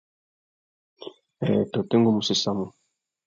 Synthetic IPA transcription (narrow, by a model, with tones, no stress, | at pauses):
ɛ˨t̪o˨t̪e˦ŋɡo˦˨mu˨se˨sa˦mu˨